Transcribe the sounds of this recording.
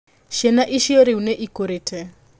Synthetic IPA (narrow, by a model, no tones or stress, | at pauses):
ʃɛnaʔiʃioɾɪuneʔikoɾetʰɛ